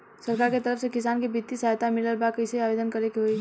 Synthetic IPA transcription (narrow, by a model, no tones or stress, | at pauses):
səɾkaːɾket̪əɾəfsekɪsaːnkibit̪ːisajt̪amɪləɾbakəɪseaːbeːd̪ənkəɾekiɦoi